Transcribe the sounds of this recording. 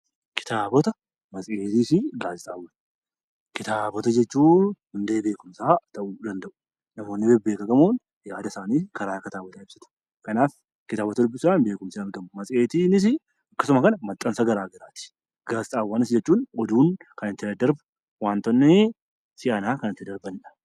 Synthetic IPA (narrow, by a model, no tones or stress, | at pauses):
kɪ̥t̪aːbɔt̪ɐ | mɐt͡sʼeːt̪isɪɡaːsɪt̪ʼaːwːɐn | kɪt̪aːbɔt̪ɐd͡ʒɛt͡ʃːuːhʊnd̪e̞ːbe̞ːkʊmsaːt̪ɐʔʊd̪ɐnd̪ɐʔʊ̥ | nɐmo̞ːnːɪbɛbeːkɐɡɐmoːn | jaːd̪ɐsaːniːkɐɾaːkɐt̪aːbɔt̪aːɪbsɪ̥t̪ɐ̥ | kɐnaːf | kɪt̪aːbɔt̪ɐd̪ʊbːɪsaːnbe̞ːkʊmsiːɐɾɡɐmːʊmɐsʼeːt̪iːnɪs̬ɪ | ɐkːɐsʊmɐkɐnɐmɐt̪ʼːɐnsɐɡɐɾaːɡɪɾaːt̪ɪ̥ | ɡaːsɪt̪ʼaːwːɐnɪsd͡ʒɛt͡ʃːuːnɔd̪uːnkɐnɪt̪ːɪɐd̪ɐɾbʊ̥ | waːnt̪ɔnːe | sɪʔɐnaːkɐnɐt̪ːɪd̪ɐɾbɐnᶑɐ̥